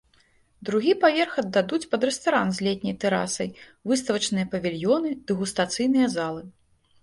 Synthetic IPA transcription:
d̪ɾuɣʲipavʲɛrxɐd̪ːad̪ut͡sʲpɐd̪ɾɛst̪aɾanzʲlʲɛt̪̚ʲnʲɐjt̪ɛɾa̰sɐjvɨst̪ɐvɐt͡ʂnɨjɐpɐvʲilʲjɔnɨd̪̥ɛɣust̪at̪sɨjnɨjɐzalˠɨ

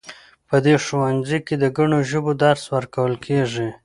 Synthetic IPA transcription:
pəd̪eʂowanziked̪əɡaɳoʒəbod̪aɾswəɾkawəlkʰeʐi

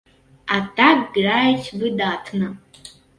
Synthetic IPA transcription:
atʰakbirajt͡ʃʰbɨdaːtʰnɨ

